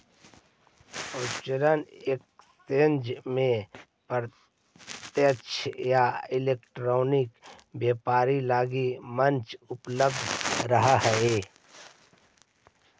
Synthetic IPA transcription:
ot͡ʃəɾənek̚st̪end͡ʒmẽ | pəɾ | t̪jət͡ʃʰjaːileːkʈɾoːnikbjeːpaːɾilaːɡimənt͡ʃʊpləb̚d̪ʱɾəɦaɦəeː

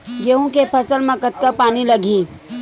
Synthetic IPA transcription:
jeɦũkepʰɐsəlmẽkət̪̚kapaːnilɐɡʱĩː

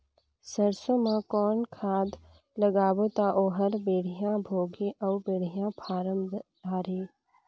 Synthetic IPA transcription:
səɾsõmãkɔːnkʰaːd̪ | ləɡaːbot̪aʔoːɦəɾbeːɽ̤ijãbʱoːɡiʔɔʊbeːɽ̤ijãpʰaːɾəm | aːɾeː

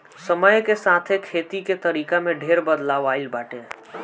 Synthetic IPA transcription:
səməjkesaːt̪ʰekʰeːt̪iket̪əɾiːkamẽɖʱeːɾbəd̪laːʋaːɪlbaːʈeː

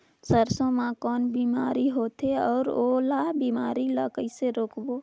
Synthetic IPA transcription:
səɾsõmãkɔːnbiːmaːɾiɦoːt̪ʰeɔːɾoːlaːbiːmaːɾiləkəiseɾoːkboː

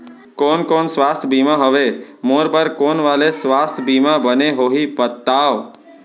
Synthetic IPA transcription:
koːnkoːnsʋast̪ʰbʱimãɦəʋemoɾbəɾkonʋalesʋast̪ʰbimãbəneɦoɦipət̪ːaːʋ

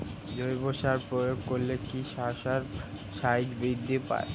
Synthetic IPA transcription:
d͡ʑojboʃaɾpɾojoɡ̚koɾlekiʃaʃaɾ | ʃajd͡ʑbid̪ʱːipa̰e

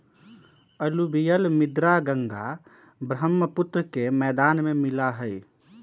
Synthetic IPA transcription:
əlubijəlmid̪ɾaɡəŋɡa | bɾəmːəput̪ɾəkemɛd̪anmemilaɦəj

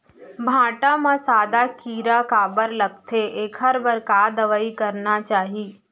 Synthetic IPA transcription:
bʱãːʈãmãsaːd̪akiːɾakaːbəɾlɐɡ̚t̪ʰeʔeːkʰəɾbəɾkaːd̪əʋəikəɾnat͡ʃaːɦiː

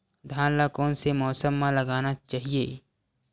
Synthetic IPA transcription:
d̪ʱaːnlakɔ̃ːnsemɔːsəmːãlɐɡaːnat͡ʃaːɦieː

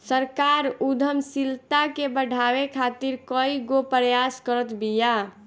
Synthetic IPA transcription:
səɾkaɾud̪ʱəmsilt̪akebəɖʱabekʰat̪iɾkəiɡopɾəjaskəɾət̪bija

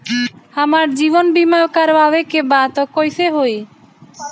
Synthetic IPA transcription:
amaːɾd͡ʒiːʋɔnbimakaɾʋaːʋekebãːt̪ɔkojseɦoi

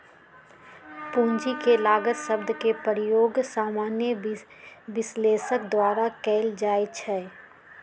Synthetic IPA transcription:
pũːɲd͡ʒikelaːɡəʃəbd̪ʱkepəɾjoːɡsaːmaːnjə | ʋɪsleːsəkd̪waːɾakɛːld͡ʒaːet͡ʃʰɛː

